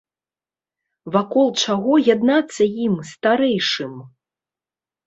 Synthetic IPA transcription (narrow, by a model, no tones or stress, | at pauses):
vakɔlˠt͡ʂaɣɔjad̪nat̪sːɐjimst̪aɾɛjʂɨm